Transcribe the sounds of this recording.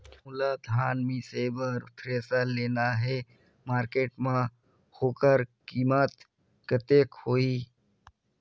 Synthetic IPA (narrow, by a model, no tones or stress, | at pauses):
ulad̪ʱaːnmĩseːbəɾʊt̪ʰɾeːsaleːnaɦɛ | maːɾkeːʈmã | hoːkəɾkiːmət̪ | kət̪eːkhoːiː